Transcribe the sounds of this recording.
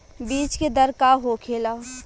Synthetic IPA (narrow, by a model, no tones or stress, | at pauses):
biːt͡ʃked̪əɾkaɦokʰeːlaː